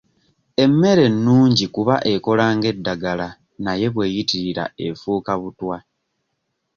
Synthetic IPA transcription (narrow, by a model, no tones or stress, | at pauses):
e̞mːe̞ɾe̞nːuːɲɟikuβaʔe̞ko̞laːŋɡe̞dːaɡala | naje̞βwe̞ːjitiɾiɾa̰e̞fuːkaβutwa